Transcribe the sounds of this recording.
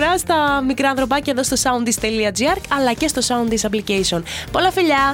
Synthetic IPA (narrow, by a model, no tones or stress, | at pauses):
ɾɐst̪ɐmikɾɐnθɾo̞pɐceðo̞st̪o̞sɐunist̪e̞liɐd͡ziɐɾkɐlɐce̞st̪o̞sɐunisɐp̬licejsio̞npo̞lɐfiʎɐ